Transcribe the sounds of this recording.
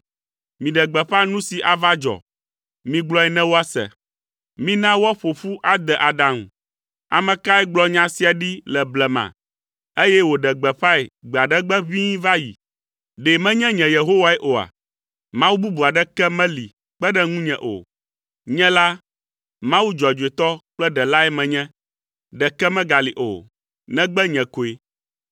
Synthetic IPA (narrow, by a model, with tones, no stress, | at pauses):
mĩ˨ɖɛ˨ɡ͡bɛ˨ɸa˦nũ˦si˨ʔa˨va˦d͡ʒɔ̰˨ | mĩ˨ɡ͡blɔ˦ɛ˨nɛ̃˦wo˦a˦sɛ̰˨ | mĩ˦nã˦wɔ˦ɸo˨fu˦ʔa˨d̪ɛ˨ʔa˨ɖã˨m˨ | a̰˨mɛ̃˨ka˦ɛ˦ɡ͡blɔ˦ɲã˨si˦a˨ɖi˦lɛ˨blɛ˨mã̰˨ | e˦jɛ˦wo˨ɖɛ˨ɡ͡bɛ˨ɸa˦e˨ɡ͡bɛ˨a˨ɖɛ˦ɡ͡bɛ˦βĩ˦va˦jḭ˨ | ɖe˨mɛ̃˦ɲɛ̃˦ɲɛ̃˨je˨ɦo˦wa˦ɛ˦ʔo˨a̰˨ | mã˦wu˦bu˦bu˨a˨ɖɛ˦kɛ˦mɛ̃˦li˨ | k͡pɛ˦ɖɛ˦ŋũ˦ɲɛ̃˨ʔo̰˨ | ɲɛ̃˦la˦ | mã˦wu˦d͡ʒɔ˨d͡ʒo˨e˨t̪ɔ˦k͡plɛ˦ɖɛ˨la˦ɛ˦mɛ̃˨ɲɛ̃˦ | ɖɛ˨kɛ˦mɛ̃˦ɡa˨li˨ʔo̰˨ | nɛ̃˦ɡ͡bɛ˦ɲɛ̃˨ko˨e˨